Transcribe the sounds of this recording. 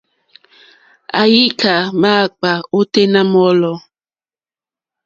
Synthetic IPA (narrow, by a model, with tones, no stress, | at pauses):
a̰˨ji˦kʰa˨ma˦˨k͡pa˨o˦te˦na˦mɔ˦lɔ˦˨